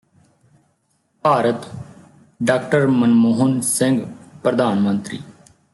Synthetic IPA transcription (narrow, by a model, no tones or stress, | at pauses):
paːɾət̪ | ɖaːkʈəɾmənmoːɦənsɪ̃ŋɡpɾəd̪aːnmə̃nt̪ɾḭː